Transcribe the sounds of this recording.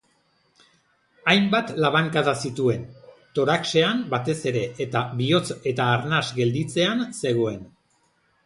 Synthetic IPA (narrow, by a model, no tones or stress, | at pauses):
ajmbat̪laβaŋkaðasit̪ue̞nt̪o̞ɾakse̞ambat̪e̞se̞ɾe̞ːt̪aβio̞t͡se̞t̪aːɾnazɡe̞ld̪it͡se̞anse̞ɣ̞o̞e̞n